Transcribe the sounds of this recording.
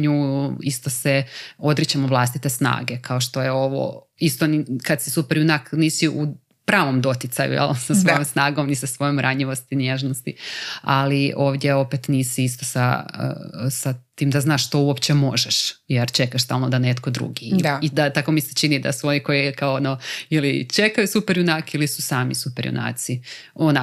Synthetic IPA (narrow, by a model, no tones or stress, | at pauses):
ɲuːist̪oseo̞d̪ɾit͡ɕamoʋlˠast̪it̪esna̰ːɡe̞kaoʃt̪ojeo̞ʋo̰ | ist̪o̞nikad̪sisupeɾjunakniːsiʔu | pɾaːʋo̞md̪o̞t̪it̪sajṵjɛ̰lˠsasʋojomsnaːɡomnisasʋo̞jomɾʔaɲiʋost̪injeʒnost̪ia̰lio̞ːʋd̪ʲjeo̞pet̪niːsiist̪osa̰ə̰sat̪iːmd̪aznaːʃʃt̪o̞uopt͡ɕemo̞ʒɛʃjeɾt͡ʃe̞kaʃst̪a̰ːlˠnod̪anet̪ko̞d̪ɾṵɡiid̪at̪ako̞miset͡ʃinid̪a̰suo̞niko̞jikaoonoilit͡ʃe̞kajusupeɾjunakilisu̥saːmḭsupeɾjṵnʔa̰ːt̪siona